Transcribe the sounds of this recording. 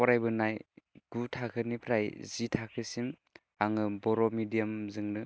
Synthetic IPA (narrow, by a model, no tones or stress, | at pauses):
pɔɾajbɯnajɡ̥utʰakʰɯnipʰɾajzitʰakʰɯsim | aŋɯbɔɾɔmidijamzɯŋnɯ